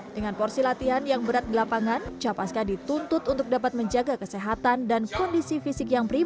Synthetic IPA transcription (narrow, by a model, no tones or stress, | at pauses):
dəŋanpɔrsilat̪iɦanjaŋbəɾat̪̚dilapaŋant͡ʃapaskadit̪unt̪ʊt̪unt̪ʊk̚dapat̪̚məɲd͡ʒaɡakəseɦat̪andankɔndisifisɪkjaŋpəɾi